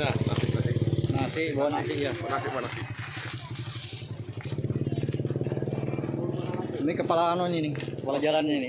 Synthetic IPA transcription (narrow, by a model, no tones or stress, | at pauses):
ana̰sɪknasɪnasɪʔbawanasɪʔjaanasɪʔwanasɪ | mikəpalaːnɔɲinɪkəpalad͡ʒalanɲinɪ